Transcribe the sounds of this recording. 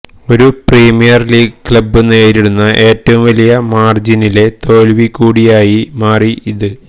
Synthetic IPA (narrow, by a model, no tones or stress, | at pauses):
o̞ɾupriːmijɐrliːɡklɐbenːeːɾiɽunːɐʔe̞ːtːɐʋumʋɐlijɐmaːrd͡ʑinile̞t̪o̞ːlʋikːuːɽijaːjimaːriiðɨ